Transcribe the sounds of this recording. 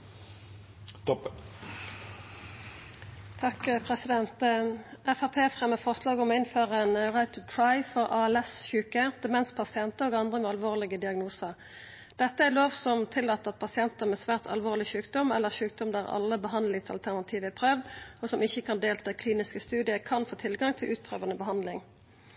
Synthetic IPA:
t̪ | t̪ʰɑkpʰʁɛsɪd̪ɛnt̪ʔɛfɑpʰeːfʁɛmːəfɔʁʂlɑːɡɔmɔɪnføːʁəɛnʁæɪt̪ət̪ʰɹɑɪfɔʁɑːɛlɛsçʉːkəd̪̥əmɛnspʰɑsɪɛnt̪əoːɡɑnd̪ʁəmɛːɑlʋoːʁlɪɡəd̪ɪɑɡnuːsəʁ | d̪̥ɛt̪ːəæloːʋsɔmt̪ʰɪlːɑːt̪ːəɑt̪̚pʰɑsɪɛnt̪əʁmɛsʋæːʁt̪ʰɑ̰lʋoːʁlɪçʉːkd̪ɔmɛlːəʁʃʉːk̚d̪ɔmd̪æʁɑ̰lːəbəɦɑnd̪lɪŋsɑ̰lt̪ʰæʁnɑt̪ʰiːʋəæpʰʁøːʋd̪ɔsɔmɪçːəkʰɑnd̪eːlt̪ʰɑːkʰliːnɪskəst̪ʉːd̪ɪəkʰɑnfoːt̪ʰɪlɡɑŋt̪ʰɪlʔʉːt̪̚pʰʁøːʋəɑnəbəɦɑnd̪lɪŋ

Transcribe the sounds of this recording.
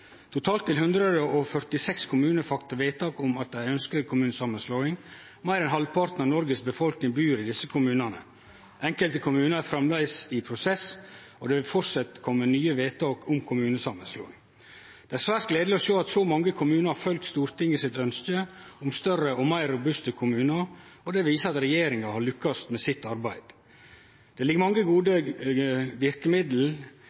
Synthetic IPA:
t̪ʰʊt̪ʰɑːlt̪ʰːɪlhʉnd̪ɾəd̪əʔɔfœɾt̪ɪsɛkskʰʊmʉːnəɾfɑkt̪əɾʋeːt̪ɑːkʊmɑt̪̚d̪æɪœnskəɾkʰʊmʉːnəsɑmənsloːɪŋ | mæɪɾɛnɦɑlpʰɑɾt̪nəɾnɔɾɡəsbəfɔlknɪŋbyːɾɪd̪ɪsːəkʰʊmʉːnənə̰ | ʔɛŋkəlt̪əkʰʊmʉːnəɾæfɾɛmlæɪsɪpʰɾʊsɛs | ɔd̪ɛʋɪlfɔɾsɑt̪kʰɔmːənyːəʋeːt̪ʰɑːkʊmkʰʊmʉːnəsɑmːənslo̰ːɪŋ | d̪̥ɛæɾsʋæɾskleːd̪lɪɔʃoːɑt̪sɔmɑŋːəkʰʊmʉːnəɾhɑɾfœlkt̪st̪uːɾt̪ʰɪŋːɪsɪt̪œnskəʊmst̪œrəɔmæɪɾːʊbʉst̪əkʰʊmʉːnəɾ | ɔd̪ɛʋiːsəɾɑt̪ɾɛjeːɾɪŋɑhɑɭʏkːɑst̪mɛsɪt̪ːɑɾbæɪd̪̥ | d̪̥ɛlɪɡəɾmɑŋːəɡuːd̪ə | ʋɪɾkəmɪd̪l̩

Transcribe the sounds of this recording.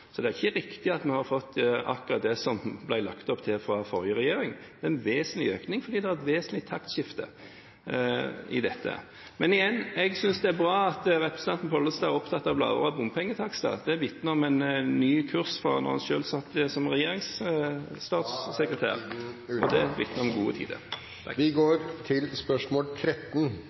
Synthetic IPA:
sɔd̪ɛæʁɪçːəɾɪkt̪ɪɑt̪mɛhɑɾfɔt̪ːɑ̰kʊɾɑt̪̚d̪ɛsɔmblæɪlɑkt̪ɔpt̪ʰɪlfɾɑfɔɾjəʁɛjeːɾɪŋd̪̥ɛɛnʋeːsənlɪøːknɪŋfɔɾd̪iːd̪ɛhɑʁɛt̪ʋeːsənlɪt̪ʰɑkt̪ʃɪft̪ə̰ | ɪ̰d̪ɛt̪ːə̰ | mɛnɪjɛnːɛɡsʏnsd̪ɛæɾbɾɑːɑt̪ɾɛpɾəsənʰɑnt̪npʰɔlːəst̪ɑːɾɔpt̪ʰɑt̪ːɑʋblɑ̰ə̰ɾɑbʊmpʰɛŋːət̪ʰɑkst̪ɑ̰d̪̥ɛæʋɪt̪nəɔmɛnːyːkʰʉɾsfʁɑ̰nɔ̰ʁhɑnʃøːlsɑt̪ːəsɔmʁɛjeːɾɪŋs | t̪ɑːt̪sːəkɾət̪ʰæ̰ːɾɔd̪ɛʋɪ̰t̪nəɾɔmɡṵːə̰t̪ʰḭːd̪ə̰ɾ | ʋɪɡoːɾt̪ʰɪlspœʂmoːlk̪ʰɾɛt̪ːn

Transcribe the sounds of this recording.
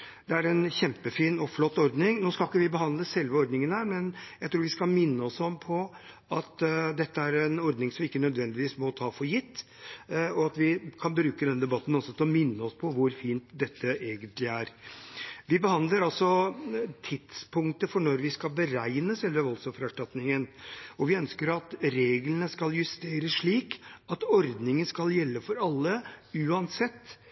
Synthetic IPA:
d̪ɛæɾɛnçɛmpəfiːnɔflɔt̪ːɔɾd̪nɪŋnoːskɑlkːəʋɪbəhɑnd̪ləsɛlʋəɔɾd̪nɪŋənhæːɾmɛnjæɪt̪ʰɾuːɾʋɪskɑmɪnːəɔsɔmpʰɔ | ɑt̪d̪ɛt̪ːəæɾɛnɔɾd̪nɪŋsɔmʋɪɪkːənœd̪ʋɛnd̪ɪʋiːsmɔt̪ʰɑːfɔɾjɪt̪ː | ɔɑt̪ʋɪkʰɑnbɾʉːkəd̪ɛnəd̪ɛbɑt̪ːn̩ɔsɔt̪ʰɪlɔmɪnːəɔspʰɔʋʊɾfiːnt̪d̪ɛt̪ːəʔeːɡənt̪lɪæːɾ | ʋɪbəhɑnd̪ləɾɑlsɔt̪ʰɪt̪spʰʊŋt̪əfɔɳɔɾʋɪskɑlbəɾæɪnəsɛlʋəʋɔlsɔfɾæʂʈɑt̪nɪŋənɔʋɪœnskəɾɑt̪ɾeːɡlənəskɑljʉst̪eːɾəsʂɭiːkɑt̪ɔɾd̪nɪŋənskɑljɛlːəfɔɾɑlːəʉːɑnsɛt̪ː

